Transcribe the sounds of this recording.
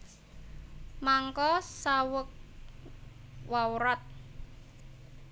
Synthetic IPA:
maŋkɔsawək̚ | wawuɾɔt̪̚

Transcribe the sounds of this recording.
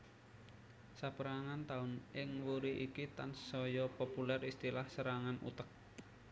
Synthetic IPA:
sapəɾaŋant̪aʊnʔɪŋwuɾiʔikit̪ansːɔjɔpopulɛrist̪ilahsəɾaŋanṵt̪ək̚

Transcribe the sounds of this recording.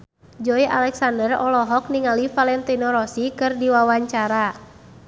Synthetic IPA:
d͡ʒɔiʔa̰lɛksandərɔlɔɦɔk̚niŋalifalɛnt̪inɔɾɔsikɨrdiwawaɲt͡ʃaɾa

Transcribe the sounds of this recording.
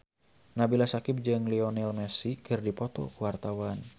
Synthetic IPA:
nabilasakɪp̚d͡ʒɨŋliɔnɛlmɛsikɨrdipɔt̪ɔ̰kuwart̪awan

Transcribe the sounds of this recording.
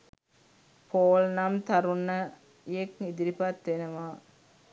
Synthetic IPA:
pʰoːlnɐmt̪ɐɾunːə | jekid̪iɾipat̪ʋenɐʋaː

